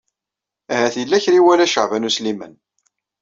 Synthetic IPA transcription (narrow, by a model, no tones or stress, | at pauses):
æhæθilːæçɾiwælæʃə̰ʕvænuslimən